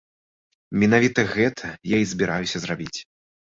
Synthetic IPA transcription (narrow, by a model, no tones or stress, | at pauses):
mʲin̪avʲit̪ɐɣɛt̪ʰɐjaizʲbʲiɾʔajusʲɐzrabʲit͡sʲ